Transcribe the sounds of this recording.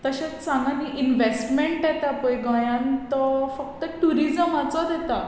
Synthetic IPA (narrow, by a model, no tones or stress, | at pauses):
t̪əɕat͡st͡saŋɡaniʔinʋesʈmeɳʈd̪ɛt̪apəjɡajãnt̪ɔfək̚t̪əʈuɾid͡zəmat͡sɔd̪ʱɛt̪a